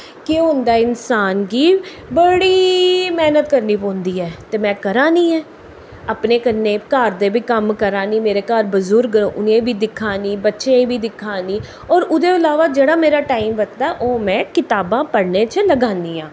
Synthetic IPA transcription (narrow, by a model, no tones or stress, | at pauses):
kɪoʊnd̪aːɪnsaːnkiː | bəɽiːmɛːnət̪kəɾniːpɔ̃ːnd̪iːɛːt̪eːmɛ̃ːkəɾaːniːɛː | əpneːkənːẽːkaɾd̪eːbiːkəmkəɾãːniːmeːɾeːkaːɾbəzuːɾɡəɾõːʔʊnẽːbʱiːd̪ɪkʰːaːniːbətːʃẽbʱiːd̪ɪkʰaːniː | ɔːɾʊd̪eːəlaːʋaːd͡ʒeːɽaːmeːɾaːʈaːimʋət̪t̪aːʔoːmɛ̃ːkɪt̪aːbãːpəɽnẽːt͡ʃələɡãːnd̪iːãː